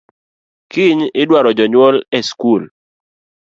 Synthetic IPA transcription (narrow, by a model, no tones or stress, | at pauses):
kɪɲɪdwaɾɔd͡ʒɔɲwɔlɛskul